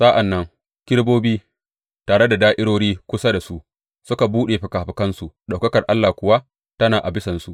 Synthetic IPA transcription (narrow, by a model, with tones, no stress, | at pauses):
sa˦ʔa˨nːɐ˦ŋ | kʲɪ˦ɽboː˦biː˦ | taː˨ɽe˦da˨daː˦ʔɪ˦ɽoː˦ɽiː˦kʷʊ˦sa˦da˨su˦ʔ | sʊ˦ka˨buː˦ɗeː˨ɸɪ˨kaː˨ɸɪ˨kɐ˦nsu˨ʔɗa˨wkɐ˦kɐ˨rʔa˦lːaː˨kʷʊ˨wa˦ | tɐ˦naː˨ʔa˨bɪ˦sɐ˨nsu˨ʔ